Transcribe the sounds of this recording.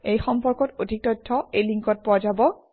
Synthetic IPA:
ejxɔmpɔɹkɔtodʱik̚tɔjtʰːɔejliŋkɔt̚pʊwazabɔ

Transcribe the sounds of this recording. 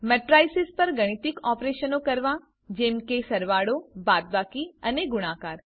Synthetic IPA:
mɛʈɾajsɪspəɾɡəɽ̃it̪ikɔpɾeʃənokəɾʋa | d͡ʒemkesəɾʋaɽobat̪̚bakiəneɡʊɽ̃akaɾ

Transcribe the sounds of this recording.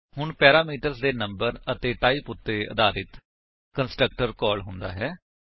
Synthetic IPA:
hʊɳpɛːɾaːmiːʈəɾsd̪eːnəmbəɾət̪eːʈaːiːpʊt̪ːeːə̰d̪aːɾɪt̪ | kənsʈɾək̚ʈəɾkɔːlɦʊnd̪a̰ːɦɛː

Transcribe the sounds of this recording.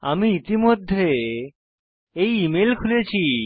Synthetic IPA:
a̰miit̪imod̪ʱːe | ejimelkʰulet͡ɕʰi

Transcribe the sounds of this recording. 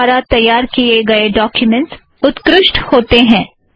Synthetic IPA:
ɾat̪ɐjːaːɾkieɡɐeɖɔːkjʊmɛ̃ɳʈs | ʊt̪kɾɪʃʈhoːt̪eɦɛ̃ː

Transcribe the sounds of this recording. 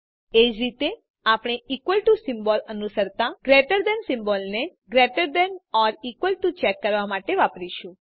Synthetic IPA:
ed͡ʒɾit̪e | apɽ̃eikʋəlʈusimbɔlənusəɾt̪ãɡ̥ɾeʈəɾd̪ɛnsimbɔlneɡɾeʈəɾd̪ənɔɾikʋəlʈut͡ʃɛkːəɾʋamaʈeʋapɾiʃũ

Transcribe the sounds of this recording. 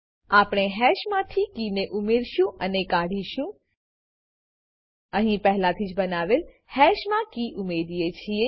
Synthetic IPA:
apɽ̃eɦɛʃmãt̪ʰikineʔumeɾʃũənekaɽ̤iʃũ | əɦĩpɛɦlat̪ʰid͡ʒbənaʋel | hɛʃmãkiʔumeɾijet͡ʃʰie

